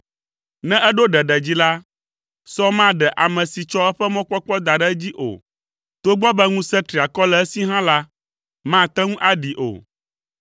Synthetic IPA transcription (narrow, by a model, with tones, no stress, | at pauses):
nɛ̃˦ʔɛ˦ɖo˦ɖɛ˨ɖɛ˨d͡ʑi˦la˦ | sɔ˦mã˦˨ɖɛ˨ʔa˨mɛ̃˨si˨t͡ʃɔ˦ɛ˦ɸɛ˦mɔ̃˦k͡pɔ˦k͡pɔ˦d̪a˨ɖɛ˦d͡ʑi˦ʔo̰˨ | t̪o˦ɡ͡bɔ˦bɛ˦ŋũ˦sɛ̃˦t̪ɾi˨a˨kɔ˦lɛ˨˦si˦ɦã˦la˦ | mã˦˨t̪ɛ˦ŋũ˦ʔa˦ɖi˨ʔo̰˨